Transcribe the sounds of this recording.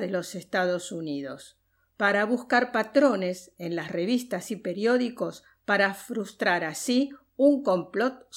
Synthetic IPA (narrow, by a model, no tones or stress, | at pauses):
ðelo̞sest̪aðo̞suniðo̞s | paɾaβuskaɾpat̪ɾo̞nesenlasre̞β̞ist̪asipe̞ɾjo̞ðiko̞s | paɾafɾust̪ɾaɾasi | uŋko̞mplot̪̚